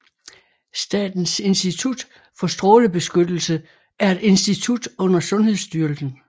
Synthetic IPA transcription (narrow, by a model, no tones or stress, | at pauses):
sd̥ɛ̰ːd̥n̩se̝nsd̥it͡sʰud̥ | fɒ̽sd̥ʁɔ̽ːləb̥e̝sɡ̥ød̥l̩sə | æɐe̝d̥e̝nsd̥it͡sʰud̥ɔ̽n̰ɐsɔ̽nhe̝ðˠsd̥yɐlsn̩